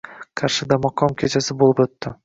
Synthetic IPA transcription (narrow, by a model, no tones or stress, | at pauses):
qʰaɾʃɪd̪amɒqʰɒmkʲʰet͡ʃʰasɪbolˠpɵt̪ːɪ